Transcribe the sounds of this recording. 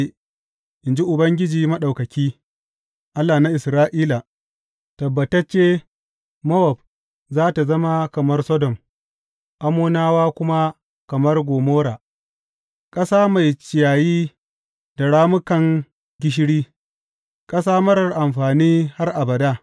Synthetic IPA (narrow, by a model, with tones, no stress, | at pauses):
ʔɪ˨nd͡ʒi˦ʔʊ˨bɐ˦ŋɡʲɪ˦d͡ʒiː˨mɐ˦ɗa˨wkɐ˨kʲiː˦ | ʔa˦lːaː˨na˦ʔɪ˨sɾaː˦ʔiː˦la˨ | tɐ˨bːɐ˨tɐ˦t͡ʃeː˦ | mɐ˦wɐ˨b̚ | zaː˦ta˨zɐ˦ma˦kɐ˨mɐ˦rsɔ˦dɔ˨m | ʔa˦muː˦naː˦waː˦kʷʊ˦ma˦ | kɐ˨mɐ˦rɡʷoː˨moː˦ɾaː˨ | kʼɐ˦saː˦ma˨jt͡ʃɪ˨jaː˨jiː˦ | da˨ɽaː˦mʊ˦kɐ˨ŋ | ɡʲɪ˦ʃ̬ɪ˦ɽiː˦ | kʼɐ˦s̬aː˦mɐ˦ɽɐ˨rʔa˨mɸaː˨niː˦ha˦rʔa˨bɐ˨daː˦